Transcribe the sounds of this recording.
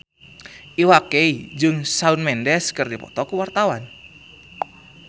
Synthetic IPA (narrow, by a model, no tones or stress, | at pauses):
ʔiwakeid͡ʒɨŋsaunmɛndɛskɨrdipɔ̰t̪ɔkuwart̪awan